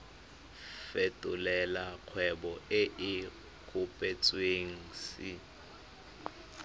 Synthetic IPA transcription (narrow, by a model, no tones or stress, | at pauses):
fetʼʊlɛlak͡xʰwɛbɔɪʔɪ | kʰʊpʼɛt͡sʼweŋ̩si